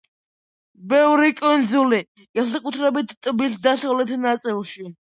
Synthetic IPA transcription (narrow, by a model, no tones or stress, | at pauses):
bɛvɾikʼund̪zuli | ɡ̥ɛsɛkʼut̪ʰɾɛbit̪ʰt̪ʼbisd̪asavlɛt̪ʰnat̪sʼilˠʃi